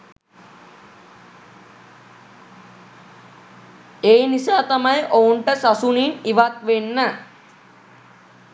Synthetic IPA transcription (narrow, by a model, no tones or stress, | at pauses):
eːnisaːt̪amajʔouɳʈəsasuniniʋat̪ʋenːə